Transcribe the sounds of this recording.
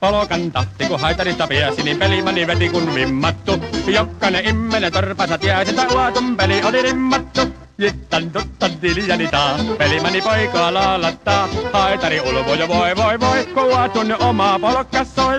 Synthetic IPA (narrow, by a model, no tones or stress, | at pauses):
polokɑnt̪ɑht̪ikuhɑˑit̪ɑɾist̪ɑpiæsinimpelimɑniʋet̪ikunlimːɑt̪ːujokːɑneimːenet̪orpɑsɑt̪iæˑisent̪æuɑt̪umpeliʔolilimːɑt̪ːu | jit̪ːɑnt̪ut̪ːɑnt̪iːnijɑlit̪ɑːpelimɑnipoikoɑlɑːlːɑt̪ːɑːhɑet̪ɑɾiulkojoʋoeʋoiʋoikuuɑt̪unːiʔʔomɑpolokːˑɑsːoi